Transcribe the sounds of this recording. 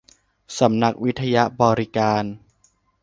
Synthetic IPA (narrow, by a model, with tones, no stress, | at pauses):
sa˩˦mna˦˥k̚wi˦˥t̪ʰːa˧ja˦˥bɔː˧ɾi˦˥kaː˧n